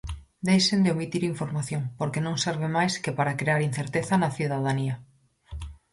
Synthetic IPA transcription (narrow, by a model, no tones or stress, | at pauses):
d̪ejʃend̪eomit̪iɾiɱfoɾmaθjõŋpoɾkenõŋseɾβ̞emajskepaɾakɾeaɾin̟θeɾt̪eθɐnɐθuðaðania